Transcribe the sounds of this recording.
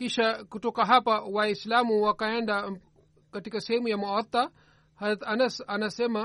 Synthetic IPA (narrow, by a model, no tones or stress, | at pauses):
kiʃɐkuʈokɐɦapɐwaːislaːmuwɐkajɐɳɖa | kɐʈikɐsemujɐmuɐt̪ːa | hɐzɾɐt̪ɐnɐsɐnɐsemɐ